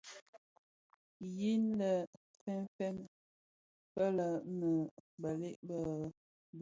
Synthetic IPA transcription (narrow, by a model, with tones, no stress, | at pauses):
ji˦nlə˨ | fɛ˦nfɛ˦n | pə˦lə˨nə˨bə˨le˦˨ʔbə˨ | b